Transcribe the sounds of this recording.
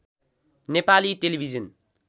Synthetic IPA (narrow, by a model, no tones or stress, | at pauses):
nepaliʈelibʱizʌn